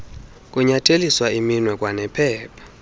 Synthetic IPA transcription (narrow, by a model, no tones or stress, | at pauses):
kʼuɲatʰeliswaiminwɛkʼwanɛpʰɛːpʰḁ